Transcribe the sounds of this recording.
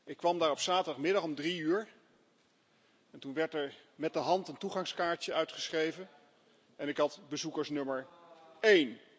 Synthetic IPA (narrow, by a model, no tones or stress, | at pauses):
ʔɪkːʋɑmdaːɹɔpsaːtədɑχmɪdɑχɔmdriyːɹ | ɛntunʋɛɹtɛɹmɛt̚dəɦɑntəntuχɑŋskaːɹtəœɥtχə̥sχrejvən | ɛnɪkɦɑtbəzukəɹsnɵməɹejn